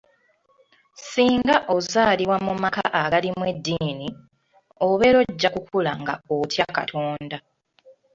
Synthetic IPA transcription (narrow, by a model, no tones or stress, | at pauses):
siːŋɡaʔozaːliwamumakaʔaɡalimwe̞dːiːni | o̞βe̞ɾo̞ɟːakukʰulaŋɡa̰otʰjaka̰tʰo̞ːnda